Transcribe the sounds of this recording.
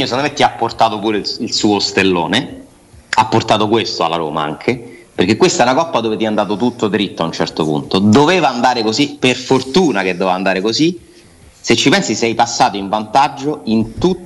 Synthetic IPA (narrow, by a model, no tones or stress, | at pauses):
osend̪omet̪ːiapːort̪aːt̪opuːɾeilsuːost̪elːo̰ːne | apːort̪aːt̪okwest̪oa̰lːaɾo̰ːma̰a̰ŋkʰe | perk̟ekːwest̪aɛnakɔpːad̪oːvet̪iɛand̪aːt̪ot̪̬ut̪ːod̪ɾit̪ːoaunt͡ʃɛ̰rt̪opṵnt̪od̪oveːvaːnd̪aːɾekoziperfort̪uːnak̟ed̪ːovevand̪aːɾekozi | set͡ʃːipɛnsisɛjpasːaːt̪oiɱvant̪ad͡ʒːoint̪u